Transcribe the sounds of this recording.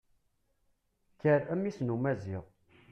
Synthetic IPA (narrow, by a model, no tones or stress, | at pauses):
çəɾæmisnumæziʁ